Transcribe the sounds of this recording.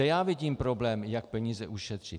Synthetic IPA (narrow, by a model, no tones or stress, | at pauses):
ɛjaːvɪɟiːmpɾoblɛːmjak̚pɛɲiːzɛʔuʃɛt̪r̝̥ɪ